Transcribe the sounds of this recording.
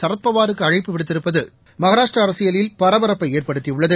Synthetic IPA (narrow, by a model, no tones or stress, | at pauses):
sɐɾɐt̪̚pɐʋaːɾɯkːɯɐɻɐɪpːɯʋɪɽɯt̪ːɪɾɯpːɐðɯ | mɐɣɐɾaːʂʈrɐːɾɐsɪjɐlɪlpɐɾɐʋɐɾɐpːɐɪeːrpɐɽɯt̪ːiʊɭːɐðɯ